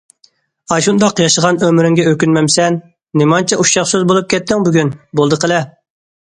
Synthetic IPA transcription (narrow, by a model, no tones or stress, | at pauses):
ɑʃund̪ɑqjɑʃəʁɑnømɾyŋɡʲɛøkʲynmɛmsɛnː | ɪmɑnt͡ʃʰɛʔuʃɑχsɨzbolˠup̚kʲʰɛt̪ʰːɪŋbyɡʲynbolˠd̪əqʰəlˠɛ